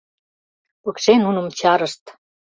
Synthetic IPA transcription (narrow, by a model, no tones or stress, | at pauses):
pukʃenunə̆mt͡ɕɑɾəʃt̪